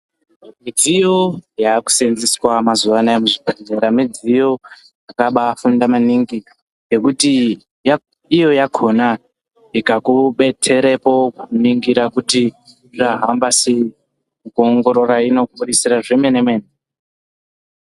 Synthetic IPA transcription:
mid͡zijo̞jaːku̥senziswamazuʋanaemuʐibʱadeɾamid͡zijo̞ | akaɓaːfundamaniŋɡi | ɡe̞kuti | j | ijo̞jakʰo̞na | ikakuɓe̞tʰe̞ɾepo̞kuniŋɡiɾakuti | ʐaɦambasei | mukuoŋɡo̞ɾo̞ɾaino̞kuɓuɗisiraʐeme̞nemweːne

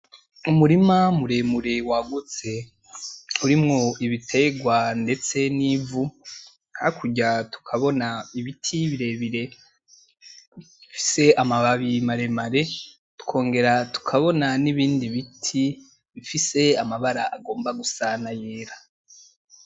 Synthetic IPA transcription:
umuɾimamuɾe̞muɾewaɡut͡se̞ | uɾimŋo̞iβitʰe̞ɡwande̞t͡se̞nivu | nhaikʰuɟatu̥kʰaβo̞naiβitʰiβiɾe̞βiɾe̞ | i | ifi̥se̞amaβaβimaɾe̞maɾe̞ | tu̥kʰo̞ːŋɡe̞ɾatu̥kʰaβo̞naniβiːndiβitʰi | βifise̞amaβaɾaaɡo̞ːmbaɡusanaje̞ːɾa

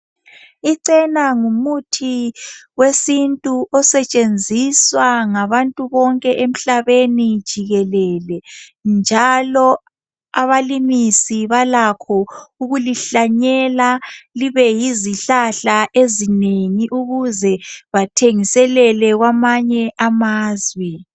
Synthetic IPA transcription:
iǀɛnaŋumutʰiwesintʼuʔɔsɛt͡ʃʼend͡zʱiswaŋaβantʼuβɔŋkʼɛʔem̩ɬaβenid̥ʒ̥ʱiɣɛlɛlɛnd͡ʒʱalɔ | aβalimisiβalakʰɔuɣuliɬaɲɛlaliβɛjiziɬaɬaʔezineŋiʔuɣuzɛβatʰeŋisɛlɛlɛɣwamaɲɛʔamaːzwɛ

